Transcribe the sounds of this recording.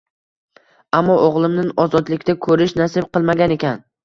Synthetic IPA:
amːɒʔoʁlˠɪmnɪnɒzɒd̪lɪkʲt̪akʰɵɾɪʃnasɪb̚qɨlˠmaɡʲane̞kʲan

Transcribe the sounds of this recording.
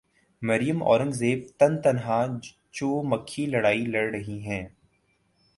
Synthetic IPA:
mɐɾijəmɔ̰ːɾə̃ŋɡzeːb̚t̪ɐnt̪ɐnɦa | t͡ʃoːmɐkʰːilɐɽaːilɐɽɾɐɦiɦɛ̃ː

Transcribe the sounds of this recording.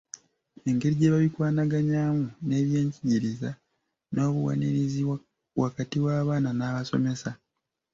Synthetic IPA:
e̞ŋɡe̞ɾiɟe̞ːβaβikwaːnaɡaɲaːmune̞ːβje̞ːɲciɟiɾiza | no̞ːβuwa̰niɾizi | βwʔakatiwaːβaːnanaːβaso̞̰me̞sa

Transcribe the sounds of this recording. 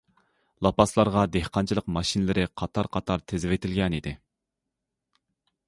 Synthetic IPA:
lˠɑpɑslˠɑɾʁɑd̪ehqɑnt͡ʃʰilˠəqmɑʃinlɪɾɪqʰɑt̪ʰɑɾqʰɑt̪ʰɑɾt̪ʰɪzɪvet̪ʰɪlɡʲɛnid̪ɪ

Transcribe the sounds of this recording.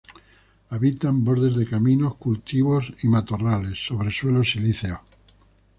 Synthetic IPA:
aβit̪ambo̞ɾðe̞zðe̞kamĩno̞hkult̪iβ̞o̞simat̪orale̞sːo̞βɾe̞swe̞lo̞siliθeo

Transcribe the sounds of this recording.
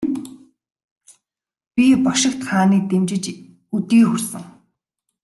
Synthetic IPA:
pʲipɔʃɪ̆kt̪χaːniːt̪emt͡ɕɪ̆t͡ɕ | ut̪iːxursɘ̆ŋ

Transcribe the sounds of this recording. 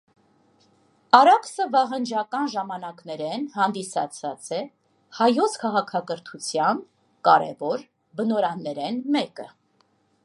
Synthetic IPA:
ɑɾɑksəvɑɦənd͡ʒɑkɑnʒɑmɑnɑknɛɾɛnɦɑnd̪isɑ̰t͡sʰɑt͡sɛ | hɑjɔt͡sʰkʰɑʁɑkʰɑkəɾt̪ʰut͡sʰjɑn | kɑɾɛ̰vɔɾ | bənɔɾɑnːɛɾɛnmɛkə̰

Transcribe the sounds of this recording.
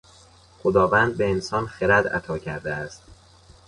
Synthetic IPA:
χod̪ɒːvæːnd̪̚be̞ensɒːnxeɾæd̪æ̰t̪ʰɒːcʰæɾd̪eæst̪

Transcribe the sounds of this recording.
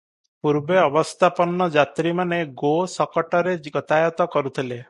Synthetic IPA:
puɾbeɔbɔst̪ʰapɔnːɔd͡ʒat̪ɾimaneɡosɔkɔʈɔɾeɡɔt̪ajɔt̪ɔkɔɾut̪ʰile

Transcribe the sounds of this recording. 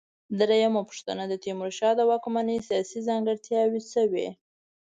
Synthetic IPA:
d̪ɾajamapʊ̥ʂt̪a̰nad̪ət̪imʊɾʃɑd̪əwɑkmanəsijɑsizɑŋɡəɽt̪jɑwisəwḛ

